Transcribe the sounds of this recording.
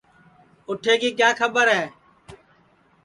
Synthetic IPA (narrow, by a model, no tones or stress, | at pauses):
ʊʈʰeːkiːk̬jaːkʰəbəɾɦɛː